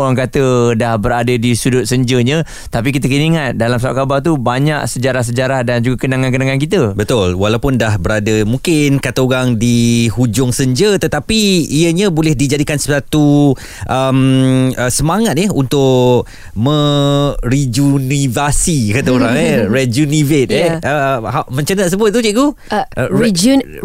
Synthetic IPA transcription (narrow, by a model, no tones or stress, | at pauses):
oɾaŋkat̪ədahbəɾadədisudʊt̪̚səɲd͡ʒəɲə̃ | t̪apikit̪əkiniŋat̪̚dalams̬awa̰ʔ̚kabart̪̬ubaɲaksəd͡ʒaɾahs̬əd͡ʒaɾahdand͡ʒuɡakənaŋankənaŋankit̪̬əbət̪ʊlwalawpʊndahbəɾadəmũŋkɪnkat̪əoɾaŋdihud͡ʒʊŋsəɲd͡ʒət̪ət̪apiːəɲãbolɛhdid͡ʒadikansəat̪u | ʔəməsəmaŋat̪̚jəɦunt̪ʊʔ | mə̃ | ɾid͡ʒunivasikat̪aoɾaŋəɾɛd͡ʒunivet̪̚ɛəɦamə̃ɲt͡ʃənəs̬əbʊt̪̚t̪ːut͡ʃiʔku